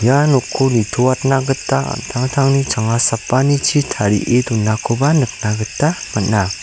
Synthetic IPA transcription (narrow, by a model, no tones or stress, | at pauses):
janokʰːonitʰowat̚naɡɯtːa̰tʰaŋtʰaŋnit͡ʃaŋasapːanit͡ʃʰitʰaɾḭʔetunːakʰobanɯk̚naɡɯtːamɯt̚na